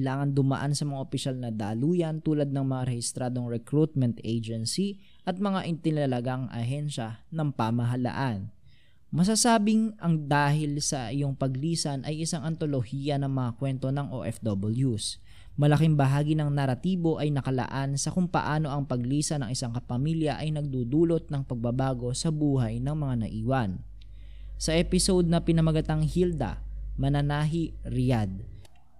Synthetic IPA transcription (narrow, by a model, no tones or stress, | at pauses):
ɐlaːŋɐnd̪ʊmɐ̰ʔansɐmɐŋaʔopɪʃalnɐd̪a̰ːluːjɐnt̪uːlɐd̪̚nɐŋmɐŋaɾɛhɪst̪ɾaːd̪o̞ŋɹɛkɾut̪̚mɛnt̪ʔejd͡ʒɛnsi | ʔɐt̪̚mɐŋaʔɪnt̪ɪnɐlɐɡaŋʔɐ̰ɦɛnʃɐnɐŋpamɐɦɐla̰ʔan | mɐs̬asaːbɪŋʔɐŋd̪aːhɪlsɐʔɪjo̞ŋpɐɡliːsɐnʔɐjʔɪsaŋɐnt̪o̞lo̞hiːjɐnɐŋmɐŋakwɛnt̪o̞nɐŋʔo̰ʔɛfd̪obɐljus | mɐlɐkɪŋbɐɦaːɡinɐŋnɐɾɐt̪iːbo̞ʔɐjnɐkɐlɐ̰ʔansɐkʊŋpɐ̰ʔaːno̞ʔɐŋpɐɡliːsɐnɐŋɪsaŋkɐpɐmiljɐʔɐjnɐɡ̚d̪uːd̪uːlo̞t̪̚nɐŋpɐɡ̚bɐbaːɡo̞sɐbuːɦɐjnɐŋmɐŋanɐ̰ʔiːwɐn | sɐʔɛpɪsod̪̚nɐpɪnɐmɐɡɐt̪aŋhild̪ɐ̰mɐnɐnaːɦiɾɪjad̪̚